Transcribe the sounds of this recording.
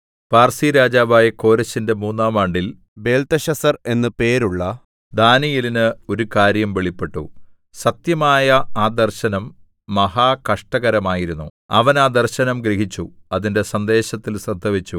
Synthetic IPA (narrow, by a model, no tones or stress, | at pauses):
paːrsiɾaːd͡ʑaːʋaːjɐko̞ːɾɐɕːinde̞muːnːaːmaːɳɖil | be̞ːlt̪ɐɕɐsɐre̞nːɨpe̞ːɾuɭːɐ | d̪aːnijilinɨo̞ɾukaːɾjɐmʋe̞ɭipːe̞ʈːṵ | sɐt̪jɐmaːjɐaːd̪ɐrɕɐnɐmː | ɐɦaːkɐʂʈɐɣɐɾɐmaːjiɾunːṵ | ɐ̰ʋɐnaːd̪ɐrɕɐnɐmɡɾiɦit͡ɕːuɐðinde̞sɐnd̪e̞ːɕɐt̪ːilsrɐd̪ʱɐʋit͡ɕːu